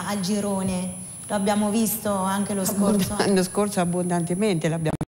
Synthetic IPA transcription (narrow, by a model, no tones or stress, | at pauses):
ald͡ʒiɾoːne | loabːjaːmovist̪oaŋk̟elosknanːoskorsoabːond̪ant̪ement̪elabja̰ː